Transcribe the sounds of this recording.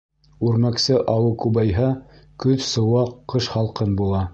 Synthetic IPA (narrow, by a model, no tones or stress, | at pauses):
ʉɾmæksɘʔɑwɤkʉbɑjɦɑkɵðsɤ̆wɑqqːɤʃχɑlˠqɤnbulˠɑ